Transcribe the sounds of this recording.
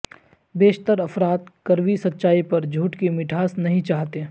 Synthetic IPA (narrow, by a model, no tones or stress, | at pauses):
beːʃt̪əɾɐfɾaːt̪̚kɐɾʋisɐtːʃaːipɐɾd͡ʒʱuːʈkimɪʈʰaːsnɐɦĩt͡ʃaːɦt̪e